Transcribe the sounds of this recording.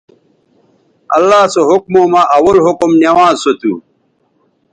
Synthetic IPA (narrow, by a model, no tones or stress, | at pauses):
ɐ̰lːaːsoɦʊkmomaʔɐwɐlɦʊkumnewãːzsot̪ṵ